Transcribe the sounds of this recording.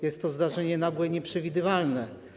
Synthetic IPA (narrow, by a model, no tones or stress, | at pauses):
jɛst̪ːɔzd̪aʐɛɲɛnaɡwɛɲɛpʂɛvʲid̪ɘvalnɛ